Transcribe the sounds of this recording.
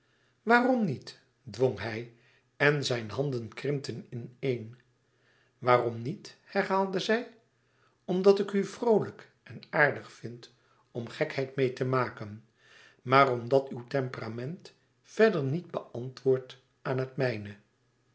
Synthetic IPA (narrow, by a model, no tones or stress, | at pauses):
ʋaːrɔmnit | dʋɔŋɦɛj | ɛnzɛjnɦɑndənkrɪmtənɪnejn | ʋaːrɔmnithɛɹɦaːlˠdəzɛj | ɔmdɑtɪkyvrowlək | ɛnaːɹdəχfɪnt | ɔmχɛkhɛjtmejtəmaːkən | maːrɔmdɑtywtɛmpəramɛnt | fɛdəɹnid̚bəʔɑntʋʊːɹt | aːnɦətmɛjnə